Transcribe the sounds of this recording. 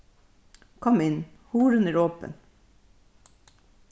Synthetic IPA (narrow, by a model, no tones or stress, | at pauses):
kʰɔmɪn | huːɾʉnəɹoːpə̰n